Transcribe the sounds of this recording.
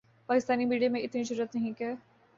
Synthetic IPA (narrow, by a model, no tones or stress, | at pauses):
paːkɪst̪aːnimiːɖijamẽɪt̪nid͡ʒɐɾuːɾət̪nɐɦĩkɛː